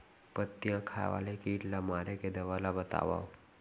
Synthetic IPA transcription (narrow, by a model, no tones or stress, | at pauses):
pət̪ːjãkʰajʋa̰lekiːʈlamaɾeked̪əʋalabət̪a̰ʋa̰w